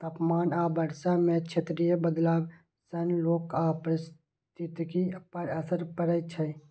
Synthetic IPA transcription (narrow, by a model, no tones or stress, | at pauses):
t̪əpmaːnabəɾsamẽt͡ʃʰet̪ɾijəbəd̪laːb | sənloːkapɾɪs | t̪it̪kipəɾəsəɾpəɾət͡ʃʰɛ